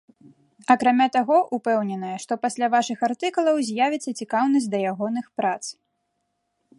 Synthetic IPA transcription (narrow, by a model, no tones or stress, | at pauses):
ɐkɾamʲat̪aɣɔʔupɛwnʲɛnɐjɐʂt̪ɔpasʲlʲavaʂɨxart̪ɨkulˠɐwzʲjavʲit̪sːɐt͡sʲikawnɐzʲtʲd̪ɐjaɣɔnɨxpɾat̪s